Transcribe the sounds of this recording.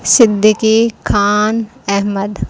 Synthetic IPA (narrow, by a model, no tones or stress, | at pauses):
sɪd̪ʱəkikʰaːnɛɦməd̪